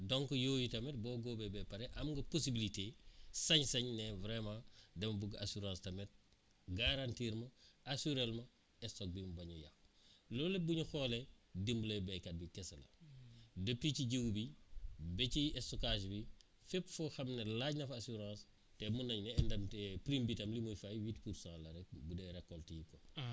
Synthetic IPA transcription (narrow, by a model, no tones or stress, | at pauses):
dɔŋkɔjoːjitɐmɛt̚bɔːɡoːbɛbɛpɐɾɛʔɐmŋɡɐposibilitesɐɲsɐɲnɛvɾɛmãːdɛmɐbuɡasuɾãːstɐmɛt̚ | ɡaɾantiːɾmɐasuɾɛlmɐ | ɛsɔk̚bimbɐɲuja̰xlɔːlɐbuɲuxɔːledimblɐbɛkɐt̚bikɛsɐlɐ̰ | dəp̚ticiɟəwbibɛciɛsɔkaːʒbi | fɛpfɔxɐmnɐlaɟnɐfasuɾãːs | tɛmunɐɲnɛɛndɐmtɛpɾimbitɐmlimujfajwitpuɾsãːlɐɾɛk̚budɛɾɛkːɔltikɔ